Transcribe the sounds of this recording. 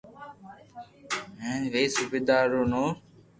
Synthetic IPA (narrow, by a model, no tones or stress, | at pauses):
ɦẽːʋeːsʊbeːd̪aːɾoːnoː